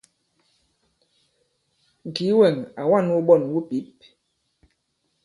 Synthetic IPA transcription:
ŋ̩˨ki˨˦wɛ˨ŋa˨wa˦˨n˦wu˦ɓɔ˦˨nwu˦pi˨˦p̚

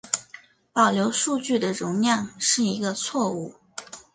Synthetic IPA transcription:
pɑ˨˩ʊljo˧˥ʊʂu˥˧t͡ɕy˥˩d̪ə˩ɻʊ˧˥ŋljɑ˥˧ŋʂɻ̩˥˩i˧˥ɡə˧t͡sʰwɔ˥˧u˥˩

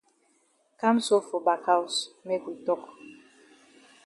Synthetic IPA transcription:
ka˦mso˦fo˨ba˨kʰa˦u˨sme˦kwi˨tɔ˦k

